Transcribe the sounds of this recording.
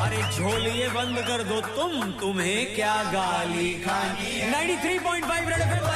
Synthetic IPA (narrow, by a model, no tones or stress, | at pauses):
ɐɾed͡ʒʱoːlijebɐ̃nd̪kɐɾd̪ot̪ʊmt̪ʊmɦẽkjaːɡaːlikʰãː | nãːɪ̃ɳʈiːt̪ʰɾiːpɔːɪ̃ɳʈfaɪʋɾeɽpe